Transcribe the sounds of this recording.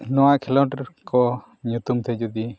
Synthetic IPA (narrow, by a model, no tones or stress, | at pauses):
nɔwaʔkʰɛlɔʈkɔ | ɲut̪umt̪ʰɛd͡ʒud̪i